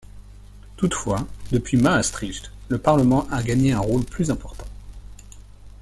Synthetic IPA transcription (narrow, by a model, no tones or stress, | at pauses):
t̪ut̪fwad̪əpɥimaːst̪χiʃt̪ləpaʁləmɑ̃ʔaɡaɲeɛ̃ʁolplyzɛ̃pɔʁt̪ɑ̃